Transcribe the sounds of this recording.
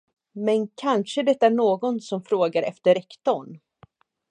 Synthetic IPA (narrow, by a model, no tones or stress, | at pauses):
mɛnkʰanʂəd̪ɛt̪ːaæɳoːɡɔnsɔmfɾoːɡaɾɛ̰ft̪əɾɛkt̪ɔɳ